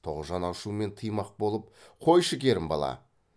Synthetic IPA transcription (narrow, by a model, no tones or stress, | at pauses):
t̪ʰo̞ʁəzʒɑnɑʃume̞nt̪ʰəjmɑq̚bo̞lˠəp̚qʰo̞jʃəkʲe̞ɾɪmbɑ̰lˠɑ̰